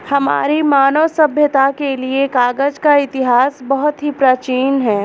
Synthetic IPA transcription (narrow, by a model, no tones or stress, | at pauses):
hɐma̰ːɾimaːnoːsɐbʱjət̪akeliekaːɡəd͡ʒkaɪt̪ɪɦaːsbɐɦʊt̪ɦipɾaːt͡ʃiːnɦɛː